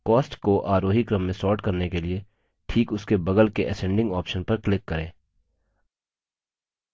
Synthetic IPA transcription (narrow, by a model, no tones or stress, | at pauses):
kɔːsʈkoʔaːɾoːɦikɾɐ̃mːẽsɔːɾʈkɐɾnekelie | ʈʰiːkʊskebɐɡəlkeʔɛsɛ̃ːɳɖɪ̃ŋɡɔːpʃənpɐɾklɪkːɐɾẽː